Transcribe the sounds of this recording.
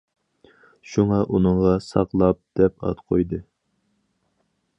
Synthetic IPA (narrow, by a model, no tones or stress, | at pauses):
ʃuŋɑʔunɨɴʁɑsɑ̰qlˠɑp̚d̪̥ɛpɑ̰t̪qʰojd̪ɨ